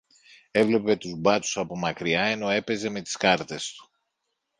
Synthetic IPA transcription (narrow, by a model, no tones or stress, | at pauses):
e̞vle̞pe̞t̪uzbɐt̪u̥sɐpo̞mɐkɾiɐe̞no̞e̞pe̞ze̞me̞t̪i̥skɐɾt̪e̞st̪u̥